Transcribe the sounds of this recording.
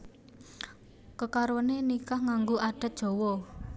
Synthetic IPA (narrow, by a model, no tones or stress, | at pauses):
kəkaɾonenikahŋaŋɡoaɖ̥ə̤t̪̚dʒ̥o̤wɔ